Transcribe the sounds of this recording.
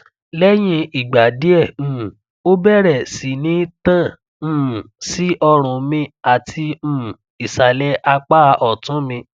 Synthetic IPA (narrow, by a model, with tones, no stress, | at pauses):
lɛ˦j̃ĩ˧i˨ɡ͡ba˨di˦ɛ˦˨ũ˨ | o˦bɛ˦˨ɾɛ˦˨si˨˦nĩ˦tã˦˨ | si˦ʔɔ˧ɾ̃ũ˨mĩ˧a˨tʰi˧ũ˦˨ | i˨sa˨lɛ˦ʔa˧k͡pa˦˧ʔɔ˨tũ˦mĩ˧